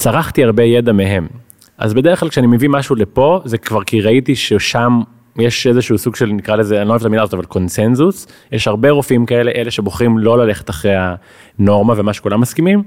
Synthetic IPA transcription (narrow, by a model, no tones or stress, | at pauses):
t͡saʁaχt̪iaʁbejedameɦe̞m | ʔa̰zbedeʁ̞χlalkʃeanimevimaʃulepo̞zekvaʁkiʁait̪iʃeʃam | jeʃezeʃuusuɡʃelnikʁalezeanloevetamilazot̪avalko̞nse̞nzusjeʃhaʁbeʁofimkae̞leʔeleʃe̞boχʁimlo̞lale̞χe̥t̪aχʁeja | no̞ʁmavemaʃekulamːaskimim